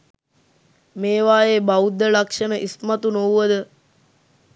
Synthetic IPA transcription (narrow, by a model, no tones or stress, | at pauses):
meːʋaːjebaud̪ːəlakʂənəʔismat̪unouʋəd̪ə